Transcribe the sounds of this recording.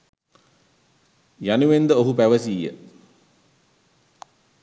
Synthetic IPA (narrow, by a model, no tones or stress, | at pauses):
januʋend̪əoɦupæʋəsiːjə̰